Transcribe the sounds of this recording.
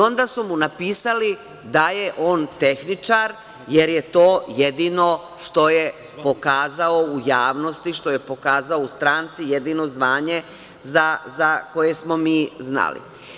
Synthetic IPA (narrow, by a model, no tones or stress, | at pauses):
o̞nd̪asumunapiːsali | d̪ajeʔo̞ːnt̪exnit͡ʃaɾ | jeɾje̞t̪o̞ːje̞d̪ino̞ | ʃt̪o̞je | po̞kaːzao̞ujaːʋno̞st̪iʃt̪o̞je̞po̞kaːzaoust̪ɾaːnt̪sije̞d̪iːno̞zʋaːɲe̞ | zazako̞je̞smo̞miːzna̰lḭ